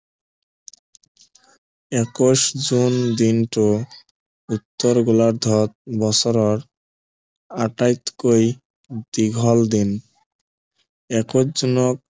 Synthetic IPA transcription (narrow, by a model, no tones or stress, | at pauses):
ɛkoʃd͡ʑund̪inʈo | ut̪ːɔɾɡulaɾd̪ʱɔt̪̚bɔsɔɾɔɾ | aʈajt̪koj | d̪iɡʱɔld̪in | ɛkoʃd͡ʑunɔk̚